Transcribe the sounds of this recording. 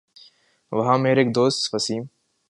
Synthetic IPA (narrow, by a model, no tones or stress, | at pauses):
ʋɐɦãːmeːɾeːkd̪oːst̪fəsiːm